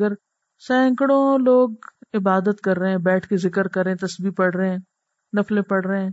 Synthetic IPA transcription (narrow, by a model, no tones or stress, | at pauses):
əɾ | sɛ̃ːŋkɽõloːɡ̚ɪbaːd̪ət̪kɐɾːeɦɛ̃bɛːʈʰkezɪkəɾkɐɾeɦẽt̪ɐsbipɐɽɾeɛ̃ː | nɐflẽpɐɽɾeɦɛ̃ː